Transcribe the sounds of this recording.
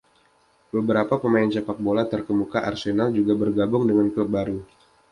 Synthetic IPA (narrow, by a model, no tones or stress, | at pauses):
bəbəɾapapəmaɪnt͡ʃapak̚bolat̪ərkəmukaʔarsenald͡ʒuɡabərɡabʊŋdəŋankləp̚baɾu